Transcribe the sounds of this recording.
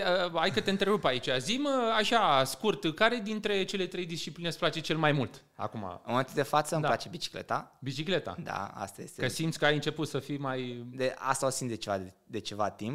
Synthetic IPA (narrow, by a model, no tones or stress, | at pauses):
əajkət̪eɨnt̪ɾeɾupait͡ʃaziməaʃaskurt̪kaɾe̞d̪int̪ɾe̞t͡ʃe̞le̞t̪ɾe̞jd̪ist͡ʃiplinesplat͡ʃe̞t͡ʃe̞lmajmult̪ | a̰kuma̰nat̪d̪efat̪səɨmd̪alat͡ʃebit͡ʃi̥klḛt̪abit͡ʃikle̞t̪a̰d̪a̰a̰st̪ajest̪ekəsimt̪sʲkəajɨnt͡ʃe̞put̪səfimajd̪ea̰st̪aosimd̪et͡ʃevaed̪et͡ʃe̞vat̪imp̚